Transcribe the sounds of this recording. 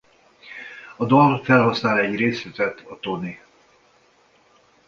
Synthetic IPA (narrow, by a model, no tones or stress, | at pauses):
ɒd̪olfɛlɦɒsnaːlɛɟreːsyt̪ɛt̪ʰɒt̪oni